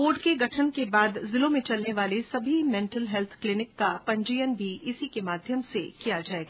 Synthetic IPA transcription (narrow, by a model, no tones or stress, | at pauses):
oːɾɖkeɡɐʈʰənkebaːd̪zɪlõmẽt͡ʃɐlneʋaːlesɐbʱimɛ̃ːɳʈəlɦɛlt̪ʰklɪnɪkːapɐ̃ɲd͡ʒɪjənbʱiʔɪsikemaːd̪ʱjəmsekijad͡ʒaːeːɡaː